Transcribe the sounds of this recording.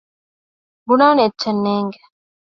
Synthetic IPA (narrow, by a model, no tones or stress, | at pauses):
bunaːnietːt͡ʃːɐnːeːŋɡe